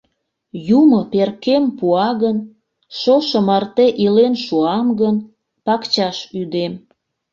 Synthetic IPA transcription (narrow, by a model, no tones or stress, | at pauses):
jumoperkempuɑɣən | ʃoʃə̆mɑrt̪eʔilenʃuɑmɡən | pɑkt͡ɕɑʃyd̪em